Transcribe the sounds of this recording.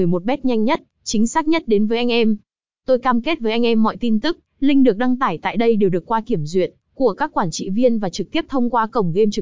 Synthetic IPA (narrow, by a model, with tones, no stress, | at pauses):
ɨ˨˩əjmo˨˩t̚ɓɛ˦˥t̚ɲa˧jŋ̟ɲə˦˥t̚ | t͡ɕï˨˦ŋ̟saː˦˥k̚ɲə˦˥t̚ɗe˨˦nvəː˨˦jʔa˧jŋ̟ʔɛ˧m | t̪o˧jkaː˧mke˦˥t̚vəː˨˦jʔa˧ŋ̟ʔɛ˧mːɔ̰˧˨jt̪i˧nt̪ɨ˦˥k̚ | lï˧ŋ̟ɗɨ˨˩ək̚ɗa˧ŋt̪aː˧˩jt̪a̰ː˧˨jɗə˧jɗe˨˩wɗɨ˨˩əkːwaː˧ki˧˩əmzwḭ˧˨ən | ku˧˩əkaː˦˥kːwaː˧˩nt͡ɕḭ˧˨vi˧ənvaː˨˩t͡ɕɨ˨˩t̪i˦˥əp̚t̪ʰə˧wŋ͡mkwaː˧kə˨˩wŋ͡mɣe˧mt͡ɕɨ˨˩